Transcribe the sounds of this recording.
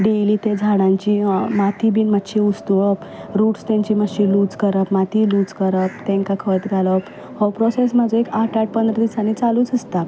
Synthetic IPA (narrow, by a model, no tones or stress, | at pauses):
ɖeliːt̪ed͡zʱaɽ̃ãɲt͡ɕimat̪ʰibiːnməɕiust̪uʋəp | ɾuːʈst̪ãɲt͡ɕiːməɕiluːd͡zkəɾəpmat̪ʰiluːd͡zkəɾəp̚t̪ẽŋkakʰəjt̪ɡʱaləp | hɔwpɾɔses̬mad͡zʱoekaʈʰaʈ̚pənd̪ɾəd̪isanit͡saluːt͡səst̪a